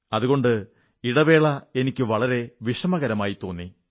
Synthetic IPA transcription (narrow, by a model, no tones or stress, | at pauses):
ɐðuɣo̞ɳɖɨ | iɽɐʋe̞ːɭɐe̞nikʲːɨʋɐɭɐɾe̞ʋiʂɐmɐɣɐɾɐmaːjit̪ːo̞ːnːi